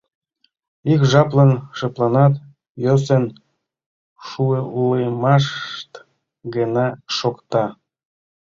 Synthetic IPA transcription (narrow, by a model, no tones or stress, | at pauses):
ikʒɑplənʃəplɑnɑt̪ | jos̬en | ʃueʔulejmɑʃt̪ | ɡənɑʃokt̪ɑ